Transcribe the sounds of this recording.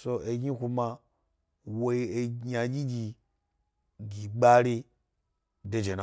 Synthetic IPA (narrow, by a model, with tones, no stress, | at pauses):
so˧e˧ɡʲi˦kʷu˧ma˧ | wo˦e˧ɲ˦a˧ɡʲi˦ɡʲi˧ | ɡi˨ɡ͡ba˦ɾi˦ | de˨d͡ʒe˨na˨